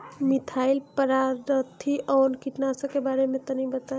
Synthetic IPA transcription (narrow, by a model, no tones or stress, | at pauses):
mit̪ʰailpəɾaɾət̪ʰːiʔɔwnkiʈnasə̃kebaɾemẽt̪ənibət̪a